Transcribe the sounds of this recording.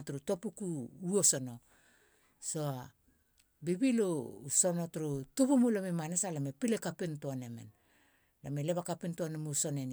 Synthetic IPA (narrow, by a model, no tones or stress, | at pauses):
tuɾuto̞pukuuoso̞no̞ | soa | bibilousonotɾutubumulamemanesalamepilekapintoanemḛn | lameleβakapintoanemuso̞neni